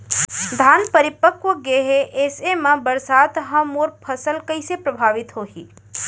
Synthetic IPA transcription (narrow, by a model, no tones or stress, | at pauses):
d̪ʱaːnpəɾɪpəkʋəɡeːɦeʔesemãbəɾsaːt̪ɦɐ̃moːɾpʰəsəlkəisepɾəbʱaːʋɪt̪ɦoːɦḭː